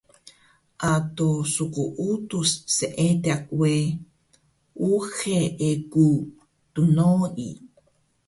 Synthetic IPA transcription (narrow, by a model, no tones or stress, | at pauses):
ʔat̪osukuʔut̪usseʔet̪eakwe | ʔuxeeku | t̪unoḭ